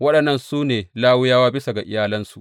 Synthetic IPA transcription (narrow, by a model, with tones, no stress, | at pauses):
wɐ˦ɗɐ˨nːɐ˦˨nsuː˦neː˨laː˦wʊ˦jaː˦waː˦bɪ˦sa˨ɡa˨ʔɪ̰˦jaː˦lɐ˦nsu˨ʔ